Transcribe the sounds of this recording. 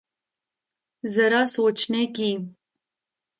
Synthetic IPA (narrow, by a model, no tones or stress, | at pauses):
zəɾasot͡ʃnekim